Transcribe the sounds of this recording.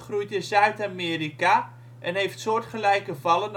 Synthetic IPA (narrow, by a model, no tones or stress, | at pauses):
χrujtəzœɥtamiːɾika | ʔɛnɦejftsoːtχəlɛjkəvɑlən